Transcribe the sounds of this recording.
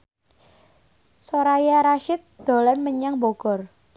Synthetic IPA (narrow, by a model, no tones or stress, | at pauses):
soɾajaɾaʃɪt̪̚d̪̥o̤lɛnməɲaŋboɡ̥ɔr